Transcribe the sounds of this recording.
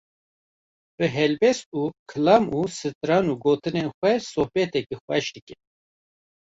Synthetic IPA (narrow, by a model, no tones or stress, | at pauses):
b̥ɨɦɛlbɛst̪̚uːkʰɨlɑːmuːsɨt̪ɨɾɑːnuːɡoːt̪ɨnenxʷɛsohbɛt̪ɛk̚ixʷɛʃd̪ɨkɛ